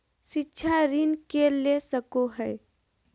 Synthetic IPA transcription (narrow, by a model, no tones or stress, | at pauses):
ʃɪtːʃʰaɾɪnkelesəkoɦɛː